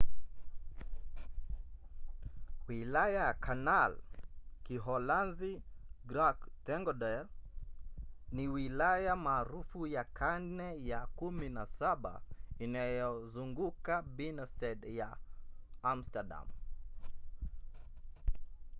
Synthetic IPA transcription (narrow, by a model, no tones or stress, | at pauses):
wilajajakʰanalkiɦɔlanziɡɾaktɛŋɡɔɗɛɾ | niwilajamaːɾufujakʰannɛjakuminasaɓa̰inajɔzuŋɡukabinɔstɛdja | am̩stada̰m